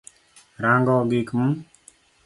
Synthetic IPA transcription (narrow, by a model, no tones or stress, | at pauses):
ɾãːŋɡɔːɡikm